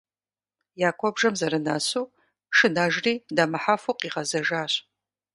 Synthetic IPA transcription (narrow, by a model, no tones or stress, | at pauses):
jaːkʷʰɔbʐɐmzɐɾɨnasu | ʂɨnaʒriːdamaħafuqʼiʁɐzɐʒaːɕ